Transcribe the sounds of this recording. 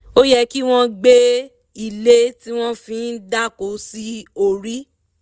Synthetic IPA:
o˦jɛ˧ki˦w̃ɔ̃˦ɡ͡be˦ | i˨le˦ti˦w̃ɔ̃˦fĩ˧˦n̩˦da˦˨ko˨˦si˦o˨ɾi˦

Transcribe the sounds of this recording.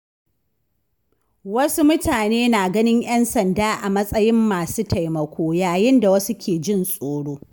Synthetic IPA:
wɐ˦su˦mʊ˦tʰaː˨neː˦naː˨ɡɐ˦nɪ˦ɲj̰ɐ˦nsɐ˨ndaː˦ʔa˨mɐ˦sʼɐ˦jɪ˦mːaː˨suː˦tʰa˨jmɐ˨kʷʰoː˦jaː˨jɪ˦nda˨wɐ˦su˦kʲeː˨d͡ʒɪ˦nsʼoː˨ɽoː˦

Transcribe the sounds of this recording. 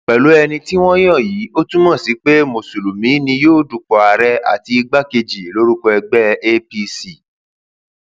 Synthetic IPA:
k͡pɛ˨lo˨˦ɛ˧nĩ˧ti˦w̃ɔ̃˦j̃ɔ̃˦˨ji˨˦o˦tũ˦mɔ̃˦˨si˨˦k͡pe˦mo˨su˨lu˨mĩ˨˦nĩ˧joː˦˨du˨k͡pɔ˨a˨ɾɛ˦a̰˦˨ti˧i˧ɡ͡ba˦ke˧d͡ʒi˨lo˦ɾu˦kɔ˧ɛ˧ɡ͡bɛ˦e˦pi˧si˦˨

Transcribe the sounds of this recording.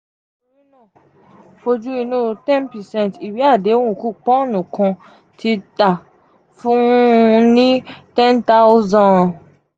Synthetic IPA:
wĩ˦nã˦˨ | fo˧d͡ʒu˦i˧nũ˦tɛ̃˦npɛ˨sɛ̃˦˨n˨ti˨bi˨˦a˦˨de˨˦o˦wũ˦˨ku˦k͡pɔ̃˦˨nũ˨kɔ̃˧ | tʰi˧ta˨ | fũ˦˧nĩ˦tɛ̃˦nta˦zã˦˨

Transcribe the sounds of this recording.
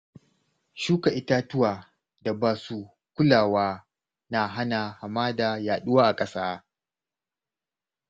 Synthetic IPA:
ʃuː˦ka˨ʔɪ˦ta˦tʊ˦waː˨ | da˨baː˨su˦ | kʷʊ˦laː˨waː˦ | na˨ɦa˦na˨ha˨maː˦da˨jaː˨ɗʊ˦waː˦ʔa˨kʼɐ˦saː˦

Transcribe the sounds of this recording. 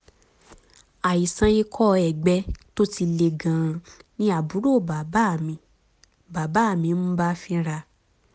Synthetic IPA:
a˨i˨sã˧i˧kʰɔ˦˧ɛ˨ɡ͡bɛ˧˦to˦ti˧le˧ɡã˨˧nĩ˦a˨bu˨˦ɾo˦˨ba˨ba˦˨mĩ˧ | ba˨ba˨˦a˦˨mĩ˧˦mũ˦ba˦fĩ˦˧˦ɾa˧

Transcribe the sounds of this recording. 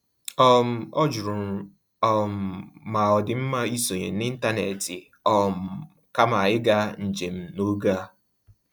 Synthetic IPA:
ɔ˦m̩˨ɔ˦d͡ʒʊ˨ɾʊ˨ | ɔ˦m̩˨ma˨ɔ˨dɪ˨m̩˦ma˦i˦so˨ɲe˨˦ɪ˦n̩˦ta˦ne˨tɪ˨ | ɔ˨m̩˨ | ka˦ma˨ɪ˦ɡa˦n̩˨d͡ʒe˨m̩˦no˦ɡa˦

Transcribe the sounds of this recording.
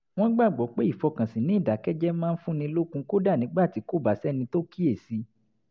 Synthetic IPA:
w̃ɔ̃˦ɡ͡ba˦˨ɡ͡bɔ˨˦k͡pe˦i˦˨fɔ˧kã˨sĩ˨nĩ˨˦˨da˨˦kɛ˦d͡ʒɛ˦mãː˦n̩˦fũ˦nĩ˧lo˦kũ˧ko˦da˦˨nĩ˨˦ɡ͡ba˦˨ti˨˦ko˦˨ba˨sɛ˦nĩ˧to˦ki˦e˦˨si˧

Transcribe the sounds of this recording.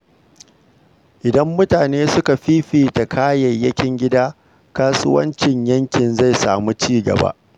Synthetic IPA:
ʔɪ˨dɐ˦mːʊ˦taː˨neː˦sʊ˦ka˨ɸiː˦ɸiː˨ta˨kʰaː˦jɐ˨jːɐ˦kʲɪ˦ŋɡʲɪ˦daː˦ | kaː˦sʊ˦wɐ̰˦nt͡ʃɪ˨ɲjɐ˦ŋkʲɪ˨nza˦˨jsaː˨mu˦t͡ʃiː˦ɡɐ̰˨ba̰˦ʔ

